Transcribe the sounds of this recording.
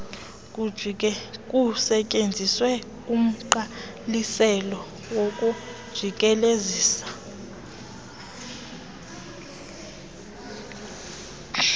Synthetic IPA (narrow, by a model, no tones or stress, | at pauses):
k̬ʼusɛcʼend͡zʱiswɛ | um̩ǃa | lisɛlɔ | wokʼud̥ʒ̥ʱik̬ʼɛleziːsḁ